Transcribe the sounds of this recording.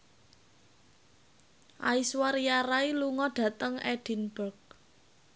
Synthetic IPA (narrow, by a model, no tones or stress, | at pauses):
ʔaiswaɾjaɾailuŋɔɖ̥ä̤t̪əŋʔɛɖ̥i̤nbərk̚